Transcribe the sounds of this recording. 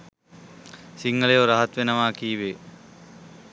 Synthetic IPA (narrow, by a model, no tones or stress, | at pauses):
siŋɡɐɭeoɾaɦɐt̪ʋenɐmaːkiːʋe